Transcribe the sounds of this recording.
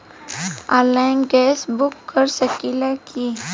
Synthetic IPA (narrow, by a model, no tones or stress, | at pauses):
aːlanɡɛːsbʊkːəɾsəkilɛkʰi